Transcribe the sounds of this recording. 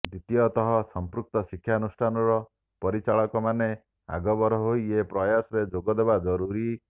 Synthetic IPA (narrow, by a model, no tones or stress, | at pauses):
d̪it̪ijɔt̪ɔɦɔsɔmpɾuk̚t̪ɔsikʰːjanusʈʰanɔɾɔ | pɔɾit͡ʃaɭɔkɔmane | a̰ɡɔbɔɾɔɦoiepɾɔjasɔɾed͡ʒoɡɔd̪ebad͡ʒɔɾuɾi